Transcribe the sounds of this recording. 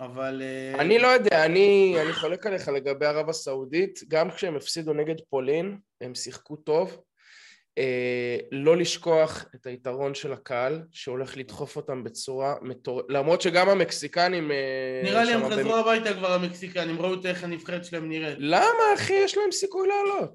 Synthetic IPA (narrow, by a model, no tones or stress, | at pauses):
avaleanilo̞jo̞d̪eaːnianiχo̞le̞kale̞χale̞ɡabe̞jaʁavasauditɡamkʃeemefsid̪une̞ɡe̞d̪po̞lin | emsiχkuto̞v | elo̞liʃko̞aχe̞taitaʁo̞nʃe̞lakaalʃeo̞le̞χlit̪χo̞fo̞tambe̞t͡suʁametoʁelamʁo̞t̪ʃeɡamame̞ksikanimeniʁaliemazʁuabajt̪akvaʁameksikanimʁaut̪eχanifχeed̪ʃlaemniʁelamaːχijeʃlae̞msikujleːlo̞t